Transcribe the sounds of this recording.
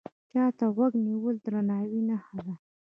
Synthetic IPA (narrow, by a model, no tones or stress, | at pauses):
t͡ʃɑt̪aɣwaɡniwəld̪ɾanɑwinahad̪a